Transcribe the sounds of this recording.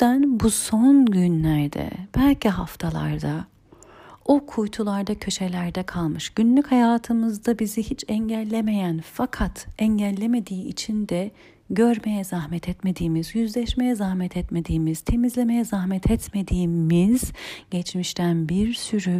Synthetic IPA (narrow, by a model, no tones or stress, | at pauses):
ænbusonɟynlʲæɾd̪ɛ̰b̥ælʲciɦaft̪ʰalˠa̰ɾd̪a | okʰujt̪ʰulˠaɾd̪acʰø̞ʃe̞lʲæɾd̪ɛkʰalˠmɯʃɟ̥ynlʲychajaːt̪ʰɯmɯzd̪abizihit͡ʃʰɛɲɟælʲːe̞me̞jænfakʰat̪ɛɲɟælʲːe̞me̞d̪iːit͡ʃʰind̪ɛ | ɟøɾme̞jɛzaɦmɛt̪ʰɛt̪me̞d̪iːmizjyzlʲɛʃme̞jɛzahmɛt̪ʰɛt̪me̞d̪iːmiz̥t̪ʰe̞mizlʲe̞me̞jɛzahmɛt̪ʰɛt̪me̞d̪iːmiz̥ɟ̥ɛt͡ʃmiʃt̪ʰænbiɾsyɾy